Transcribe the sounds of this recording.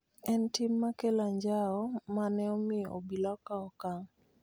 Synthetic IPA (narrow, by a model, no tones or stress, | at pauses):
ɛntimːakelaɲd͡ʒaɔmanɛɔmɪo̰bilakaɔkaŋ